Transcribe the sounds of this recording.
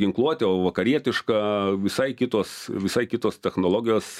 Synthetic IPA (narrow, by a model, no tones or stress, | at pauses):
ɡʲɪŋklˠuɔt̪ʲɛoːʋɐkɐɾʲiɛt̪ʲɪʃkɑːʋʲɪsɐɪkʲɪt̪oːsʋʲɪsɐɪkʲɪt̪oːst̪ʲɛxnoːlˠoːɡʲɪjoːs